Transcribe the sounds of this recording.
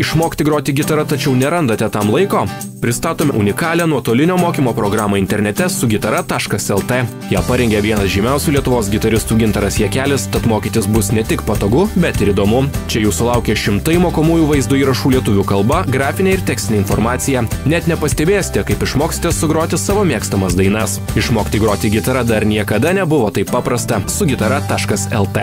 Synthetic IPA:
ɪʃmoːkʲt̪ʲɪɡɾoːt̪ʲɪɡʲɪt̪ɐɾɐt̪ɐt͡ʃʲɛʊnʲɛɾɐnd̪ɐt̪ʲɛt̪ɐmlˠɐɪkoː | pʲɾʲɪst̪ɑːt̪oːmʲɛʔʊnʲɪkɑːlʲɛːnuɔt̪oːlʲɪnʲoːmoːkʲiːmoːpɾɔɡɾɑːmoːɪnt̪ʲɛɾʲnʲɛt̪ʲɛsʊɡʲɪt̪ɐɾɐt̪ɑːʃkɐsɛlˠt̪ɛ | jæːpɐɾʲɛŋʲɡʲɛʋʲiɛnɐsʒʲɪmʲɛˑʊsʲuːlʲiɛt̪ʊʋoːs̬ɡʲɪt̪ɐɾʲɪst̪uːɡʲɪnt̪ɐɾɐsjɛkʲæːlʲɪst̪ɐt̪moːkʲiːt̪ʲɪsbʊsnʲɛt̪ʲɪkpɐt̪oːɡʊbʲɛt̪ɪɾiːd̪oːmʊt͡ʃʲɛjuːsʊlˠɐʊkʲeːʃʲɪmt̪ɐɪjmoːkoːmuːjuːʋɐɪzd̪ʊiːɾɐʃuːlʲiɛt̪ʊʋʲuːkɐlˠbɐɡɾɑːfʲɪnʲeːɪɾt̪ʲæːksʲt̪ʲɪnʲeːɪnfoːɾmɑːt̪sʲɪjɛnʲɛt̪nʲɛpɐsʲt̪ʲɛbʲeːjɛsʲɪ̥t̪ʲɛkɐɪpɪʃmoːkʲsʲɪ̥t̪ʲɛssʊɡɾoːt̪ʲɪsɑːʋoːmʲiɛkst̪ɐmɐsd̪ɐɪnɐsɪʃmoːkʲt̪ʲiːɡɾoːt̪ʲiɡʲɪt̪ɐɾɐd̪ɐɾnʲiɛkɐd̪ɐnʲɛbʊʋoːt̪ɐɪppːɑːpɾɐst̪ɐsʊɡʲɪt̪ɐɾɐt̪ɑːʃkɐsɛlˠt̪ɛ

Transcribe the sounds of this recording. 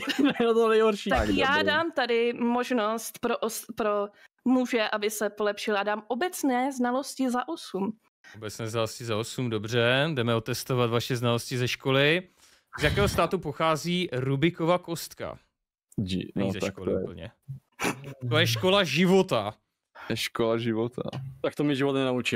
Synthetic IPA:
t̪onɛjɦoɾʃit̪akjaːdaːmt̪adɪmoʒnost̪pɾoʔospɾo | muʒɛʔabɪsɛpolɛpʃɪladaːmʔobɛt͡snɛːznalo̞scɪzaʔosum | obɛt͡snɛːznaloscɪzaosumdo̞br̝ɛdɛmɛo̞t̪ɛst̪o̞vat̪vaʃɛznalo̞scɪzɛʃko̞lɪ | zjakɛːɦost̪aːt̪upoxaːziːɾubɪko̞vako̞st̪ka̰ | ḭnɲzɛʃkolɪpl̩ɲɛ̰ | t̪ojɛʃko̞laʒɪvo̞t̪a | jɛʃkolaʒɪvot̪ʰa̰t̪ak̚t̪omɪʒɪvot̪nɛnaut͡ʃi

